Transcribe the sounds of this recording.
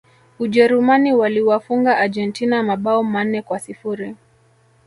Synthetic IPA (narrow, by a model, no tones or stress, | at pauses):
uʄɛɾumaniwaliwafuŋɡaːd͡ʒɛntinamaɓaɔman̩ːɛkwasifuɾi